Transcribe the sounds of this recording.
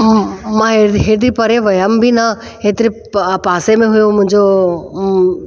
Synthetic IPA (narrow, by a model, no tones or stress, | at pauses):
mãɦeɦeːt̪̬ɾipɐɾeʋɐjambina | ɦeːt̪ɪɾi | paːsemẽɦʊjõmʊ̃ɦɪ̃ɲd͡ʑo